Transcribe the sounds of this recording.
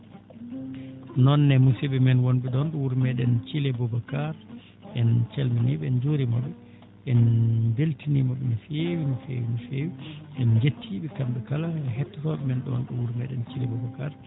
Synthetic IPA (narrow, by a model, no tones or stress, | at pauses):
nɔnːɛmusiɓɛmɛnwonbɛdɔnɗuwuɾmɛɗɛnt͡ʃilɛbɔbakaɾ | ɛnt͡ʃelminiɓɛɛnd͡ʒoɾimɔɓɛ | ɛnbeltinimɔɓɛmifewimifḛːwinifewiʔɛnd͡ʒetʰːiɓɛkamɓɛkalaɦɛtːɔtɔɓɛmɛnɗɔ̰nɗuwuɾmɛɗɛnt͡ʃilɛbɔbakaɾ